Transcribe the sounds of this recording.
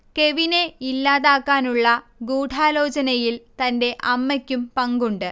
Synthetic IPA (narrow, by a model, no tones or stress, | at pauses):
ke̞ʋine̞ilːaːðaːkːaːnuɭːɐ | ɡuːʈʰaːlo̞ːt͡ɕɐnɐjilt̪ɐnde̞ʔɐmːɐkʲːumpɐŋɡuɳɖɨ